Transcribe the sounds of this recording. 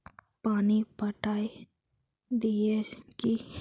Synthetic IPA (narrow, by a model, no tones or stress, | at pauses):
paːnipəʈaːi | d̪ieki